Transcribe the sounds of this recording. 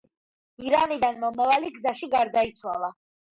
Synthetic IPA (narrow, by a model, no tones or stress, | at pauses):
iɾanid̪anmɔmavaliɡzaʃiɡaɾd̪ait̪sʰwalˠa